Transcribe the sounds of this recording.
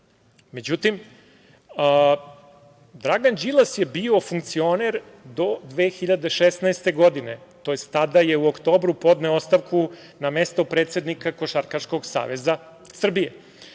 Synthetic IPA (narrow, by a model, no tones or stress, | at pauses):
me̞d͡ʑut̪im | ə | d̪ɾaɡand͡ʒilˠasjebio̞fuŋkt̪sio̞neɾ | d̪o̞d̪ʋeːxiʎad̪e̞ʃesnaest̪e̞ɡo̞d̪ine̞t̪ojest̪t̪ad̪aje̞uokt̪o̞ːbɾupo̞d̪neoost̪aʋkʰu | name̞st̪o̞pɾeːt̪se̞d̪nikako̞ʃaɾkaʃko̞ɡsa̰ːʋeza | sr̩bije